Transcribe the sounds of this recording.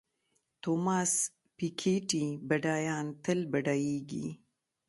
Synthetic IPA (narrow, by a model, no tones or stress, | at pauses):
t̪omɑːs | pikʰeʈibaɖɑːjɑːnt̪əlbɐɖajeɡḭ